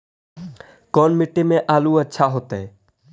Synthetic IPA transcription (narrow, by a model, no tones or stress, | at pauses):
kɔːnmɪʈːemẽʔaːluːətːʃʰaɦoːt̪ɛ